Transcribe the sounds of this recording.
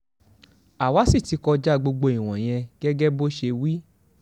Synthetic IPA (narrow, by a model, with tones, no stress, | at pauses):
a˨wa˨˦si˦˨ti˨˧kɔ˧d͡ʒa˦ɡ͡bo˧ɡ͡bo˧i˨w̃ɔ̃˨j̃ɛ̃˧ɡɛ˦ɡɛ˦bo˦ʃe˧wi˦